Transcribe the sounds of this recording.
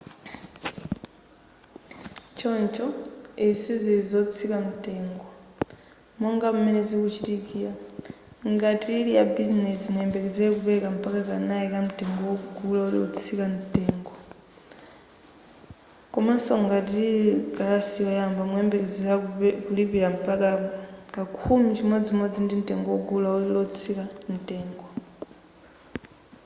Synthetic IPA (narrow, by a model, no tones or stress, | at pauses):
t͡ʃoːɲt͡ʃoesizizot͡sikanuteːŋɡo | moːŋɡamumenezikut͡ʃitikija | ŋɡatʰiːlijabizinesimweːmbekezekuβekam̩pakakanaikamuteːŋɡowokukulaolo̰t͡sikanuteːŋɡo | kɔmasɔŋɡatikalasiɔjambamuɛmbɛkɛd͡zɛakulipiɾam̩pakakakʰumit͡ʃʰimwɛd͡zimɔd͡zindim̩tʼɛŋɡɔwɔɡulauilɔt͡sʰikan̩tʼɛːŋɡɔ